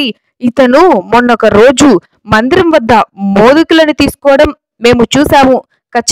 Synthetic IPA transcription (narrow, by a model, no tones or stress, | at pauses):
i | it̪ɐnumonːɐokɐɾo̞ːd͡ʒu | mɐnd̪iɾimʋɐd̪ːɐmoːd̪ikulɐnut̪iːsu̥kɔːɐɽɐmː | e̞ːmut͡ʃuːsaːmu | kɐt͡ʃː